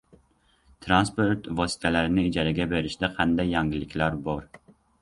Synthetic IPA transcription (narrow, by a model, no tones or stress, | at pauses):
t̪ʰɾanspoɾt̪vɒsɪ̥t̪ʰælæɾɪnɪɪd͡ʒæɾɪɡʲæbeɾɪʃd̪ɛqʰɑnd̪ɛjːɑŋɡʲɪlɪkʲlæɾbɒɾ